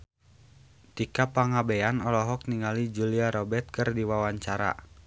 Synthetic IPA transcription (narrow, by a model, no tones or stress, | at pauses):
t̪ikapaŋabɛanɔlɔɦɔk̚niŋalid͡ʒuliaɾɔbɛt̪̚kɨrdiwawaɲt͡ʃaɾa̰